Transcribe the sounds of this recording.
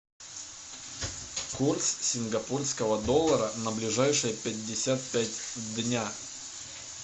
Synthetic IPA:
kurt̪ssʲɪnɡɐpurskəvəd̪o̞lˠːəɾənəblʲɪʐajʂɨjəpʲɪdʲːɪsʲat̪̚pʲætʲvd̪nʲa

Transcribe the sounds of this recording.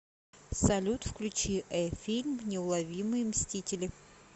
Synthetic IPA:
sɐlʲut̪fklʲʉt͡ɕiʔɛfʲilʲmnʲɪʊlˠɐvʲimɨjɪmsʲtʲitʲɪlʲɪ

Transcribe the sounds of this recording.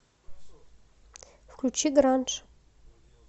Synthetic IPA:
fkʰlʲut͡ʃʰiɡɾanʈ͡ʂʰʼ

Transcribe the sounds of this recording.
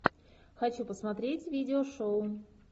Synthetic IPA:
xɐt͡ɕupəsmɐt̪ɾʲetʲvʲidʲɪoʂoʊ

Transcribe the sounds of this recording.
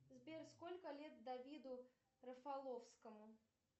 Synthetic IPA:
zbʲerskolʲkəlʲet̪̚d̪avʲid̪ʊ | ɾəfalˠofskəmʊ

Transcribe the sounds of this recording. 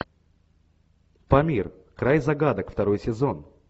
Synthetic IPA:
pɐmʲir | kɾajzɐɡad̪əkft̪ɐɾo̞jsʲɪzo̞n

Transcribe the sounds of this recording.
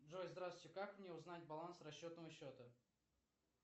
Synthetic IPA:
dʐojzd̪ɾaswʲʊtʲɪkakmnʲeʊznat̚ʲbɐlˠansrɐɕːot̪nəvəɕːot̪ə

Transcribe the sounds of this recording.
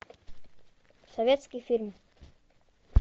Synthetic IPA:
sɐvʲet̪skʲijfʲirm

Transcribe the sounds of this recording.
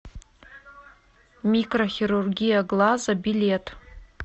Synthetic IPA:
mikʼroχʲiɾurɡʲijaɡlazabile̞tʼ

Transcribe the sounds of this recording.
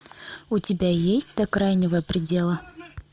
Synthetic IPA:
ʊtʲɪbʲajesʲtʲd̪ɐkɾajnʲɪvəjəpɾʲɪdʲelˠə

